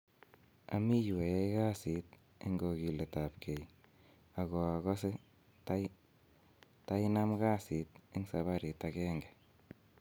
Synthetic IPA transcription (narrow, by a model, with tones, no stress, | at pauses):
a̰˨mi˦jwe˨ja˦jka˦si˨˦t̚ | e˦ŋɡo˨ki˨le˨ta˨p̚kʰe˨j | a˨ɣo˨a˨ɣɔ˦se˦ | t | ta˦ɪ˦na˦mka˦si˨˦t̚e˦ŋsa˨βa˦ɾi˨takɛː˦ŋɡɛ˨